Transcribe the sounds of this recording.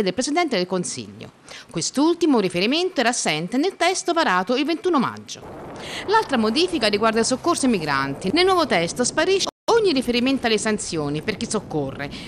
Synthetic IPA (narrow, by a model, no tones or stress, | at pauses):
ed̪elpɾesid̪ɛnt̪ed̪elkonsḭʎːo̰ | kwest̪ult̪imʊɾifeɾiment̪oɛɾasːɛnt̪enelt̪ɛst̪opaɾaːt̪oilvent̪uːnoma̰d͡ʒːo̰lalt̪ɾamod̪iːfikariɡward̪ailsokːorsoimiɡɾa̰nt̪inelnwɔvot̪ɛst̪ospaɾiʃoɲːirifeɾiment̪oalːesant̪sjoːniperkisːokːorːḛ